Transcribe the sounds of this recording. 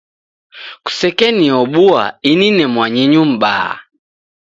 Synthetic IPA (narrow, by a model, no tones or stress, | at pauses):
ku̥sɛkɛniɔɓua̰ininɛmwaɲiɲum̩ba̰